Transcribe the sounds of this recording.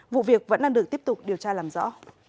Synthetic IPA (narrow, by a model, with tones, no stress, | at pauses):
vṵ˧˨vi˨˩ək̚və̰˧˥nɗaː˧nɨ˨˩ək̚t̪i˦˥p̚t̪ʊ˨˩k͡p̚ɗi˨˩əwt͡ɕaː˧laː˨˩mzɔ̰˧˥